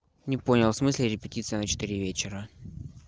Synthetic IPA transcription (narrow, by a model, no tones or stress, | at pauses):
nʲɪponʲɪlˠsmɨsʲlʲɪɾʲɪpʲɪtʲit̪sɨjnət͡ɕɪ̥t̪ɨɾʲivʲet͡ɕɪɾə